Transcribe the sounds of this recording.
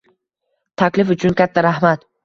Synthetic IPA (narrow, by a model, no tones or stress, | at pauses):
t̪ʰakʲlɪfʊt͡ʃʰʊnkʲʰat̪ʰːaɾahmat̪